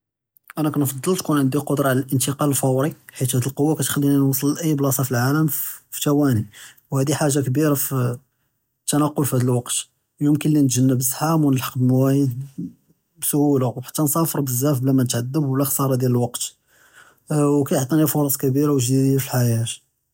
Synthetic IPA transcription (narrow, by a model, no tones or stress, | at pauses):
ʔænækænfɑd̪ˤːəlt̪kunʕənd̪iqod̪ɾˤɑʕlælʔənt̪əqɑləlfɑwɾiħit̪hæd̪əlqowːakæt̪xælːininwɑsˤəlʔəjːblɑsˤɑfilʕaləmfi̥t̪æwæni | whæd̪iħaʒːakbiɾaf | t̪ːænɑqːolfhæd̪əlwɑqt̪ | jʊmkənlint̪ʒənːəbəsˤħamwnəlħɑ̥qbəmwæjəd̪̚ | bsʊhulawħḁt̪ːænsˤɑfəɾˤbəzːæfblæmænət̪ʕad̪ːəblæxsˤɑɾˤɑd̪jæləlwɑqt̪ | wkæjʕt̪ˤɑnifoɾˤɑsˤkbiɾawʒd̪id̪filħajæt̪